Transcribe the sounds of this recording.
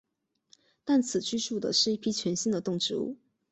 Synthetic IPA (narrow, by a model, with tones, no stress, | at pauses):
t̪a˥˩nt͡sʰɹ̩˨˩t͡ɕy˥˧ʂu˥˩d̪ə̰˩ʂɻ̩˥˩i˥˩pʰi˥t͡ɕʰɥɛ˧˥nɕi˥nd̪ə˨t̪ʊ˥˩ŋʈ͡ʂɻ̩˥ṵ˥˩